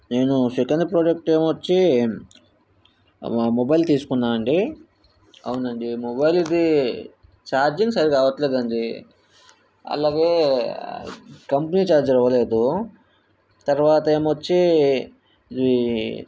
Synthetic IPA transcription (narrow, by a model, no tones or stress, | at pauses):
ne̞ːnusikɐnd̪pɾoːd͡ʒek̚ʈeːmʋɐt͡ʃːi | mobɐjlt̪iːsu̥kunːaːɐɳɖi | ɐ̰wunɐɳɖimɔbɐjlid̪i | t͡ʃaːɾd͡ʒiŋɡsɐɾikaːʋɐt̪leːd̪ɐɳɖi | ɐ̰laːɡe̞ː | kɐmpɐniːt͡ʃaːɾd͡ʒɐɾɐʋɐle̞ːd̪u | t̪ɐɾʋaːt̪ɐeːmʋɐt͡ʃːi | i